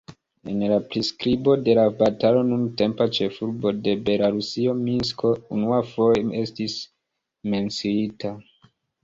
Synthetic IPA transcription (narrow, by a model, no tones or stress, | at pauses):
e̞nlapɾiskɾibo̞de̞labatalo̞nunte̞mpat͡ʃe̞fuɾbo̞de̞be̞laɾusio̞minsko̞unuafo̞jee̞stis | me̞nt͡siita